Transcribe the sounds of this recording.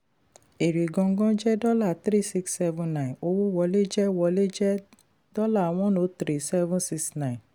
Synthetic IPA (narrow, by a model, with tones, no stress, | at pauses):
e˨ɾi˨ɡɔ̃˧ŋ̩˦ɡɔ̃˦d͡ʒɛ˦dɔ˦la˦˨tɾi˦˨si˦ksːɛ˦vũ˧nã˦˨ĩ˨o˧wo˦wɔ˧le˦d͡ʒɛ˦wɔ˧le˦d͡ʒɛ˦ | dɔ˦la˦˨w̃ɔ̃˦nõ˨˦tɾi˦˨sɛ˦vũ˦nsi˧ksnã˦˨ĩ˨n